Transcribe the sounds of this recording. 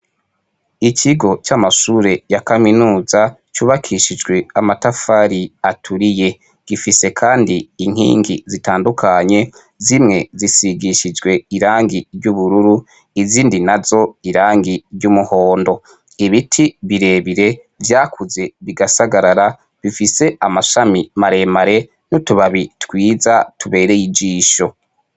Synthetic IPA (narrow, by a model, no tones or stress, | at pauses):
icʰiɡo̞t͡ʃamasuɾe̞jakaminuːza | t͡ʃuːβakʰiʃid͡ʒɡwe̞amatafaɾiatʰuɾije̞ | ɡ̥ifise̞kʰaːndiːŋ̥hḭːŋɡḭzitaːndukʰaɲe̞ | zimŋe̞zisiɡiʃid͡ʒɡwe̞iɾaːŋɡiɾɟuβuɾuɾu | iziːndinazo̞iɾaːŋɡiɾɟumuho̞ːndo̞ | iβitʰiβiɾe̞ːβiɾe̞ | vjaːkʰuze̞βiɡasaɡaɾaɾa | βifise̞amaʃamimaɾe̞maɾe̞ | nutuβaβitwiːzatuβe̞ːɾejid͡ʒiːʃo̞